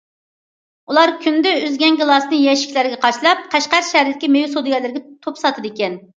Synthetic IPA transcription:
ulˠɑɾkʲʰynd̪ɛyzɡʲɛnɡɨlˠɑsnɨjɛʃi̥kʲlæɾɪɡʲɛqʰɑʃlˠɑp̚qʰæʃqæɾʃɛɾd̪ɪkʲimejusod̪ɨjɑlˠɪɾɪɡʲɛt̪ʰopsɑt̪ʰɨd̪ekʲɛn

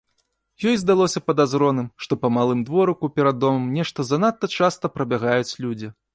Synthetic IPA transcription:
jɔjzd̪alˠɔsʲɐpɐd̪azɾɔnɨmʂt̪ɔpɐmalˠɨmd̪vɔɾɐkupʲɛɾad̪ːɔmɐmnʲɛʂt̪ɐzɐnat̪ːɐt͡ʂast̪ɐpɾɐbʲaɣajut͡sʲlʲud͡zʲi

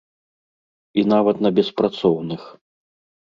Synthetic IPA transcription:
inavɐt̪nɐbʲɛspɾat̪sɔwnɨx

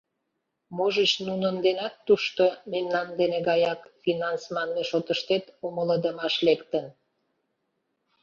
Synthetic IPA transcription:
moʒət͡ɕnunənd̪enɑt̪ːuʃt̪omemnɑnd̪eneɡɑjɑkfinɑnsmɑnmeʃot̪əʃt̪et̪omələd̪əmɑʃlekt̪ən

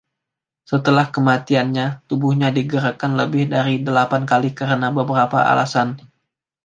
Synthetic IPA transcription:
sət̪əlahkəmat̪ianɲat̪ubuhɲadiɡəɾakanləbɪhdaɾidəlapankalikəɾənabəbəɾapa̰ʔa̰la̰san

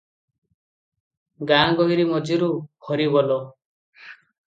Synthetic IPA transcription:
ɡãɡɔiɾimɔd͡ʒiɾubʰʱɔɾibɔlɔ

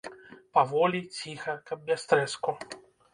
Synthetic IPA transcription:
pavɔlʲit͡sʲixɐkɐb̚bʲast̪ɾɛsku

